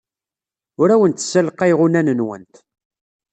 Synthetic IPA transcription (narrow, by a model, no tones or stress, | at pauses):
ʊɾæwənt̪sːəlqæjʁunænənwə̰nt̪